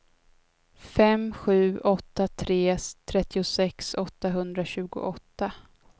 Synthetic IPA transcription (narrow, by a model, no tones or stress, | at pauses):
fɛmɧʉ̟ːɔt̪ːat̪ʰɾeːt̪ʰɾɛt̪ːɪʊsɛksɔt̪ːaɦɵnd̪ɾaɕʉ̟ːɡʊ̰ʔɔt̪ːa